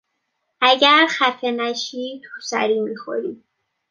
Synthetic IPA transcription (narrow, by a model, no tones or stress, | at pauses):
ʔæɟæɾxæfenæʃiːt̪ʰusæ̰ɾiːmixo̰ɾi